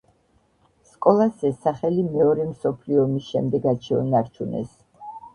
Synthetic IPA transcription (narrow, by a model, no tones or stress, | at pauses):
skʼɔlˠasɛsaχɛlimɛɔɾɛmsɔpʰliɔmisʃɛmd̪ɛɡat͡ʃʰɛɔnaɾt͡ʃʰunɛ̰s